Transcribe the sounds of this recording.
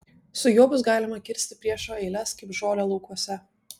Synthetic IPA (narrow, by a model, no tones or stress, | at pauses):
sʊjuɔbʊsɡɑːlʲɪmɐkʲɪɾʲsʲt̪ʲɪpʲɾʲiɛʃoːɛɪlʲɛskɐɪpʒoːlʲoːlˠɒʊkuɔsʲɛ